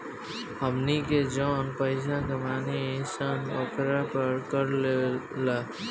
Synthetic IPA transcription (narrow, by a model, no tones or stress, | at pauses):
həmniked͡ʒɔːnpəɪs̬aɡəmaːnisənokɾapəɾkəɾlelə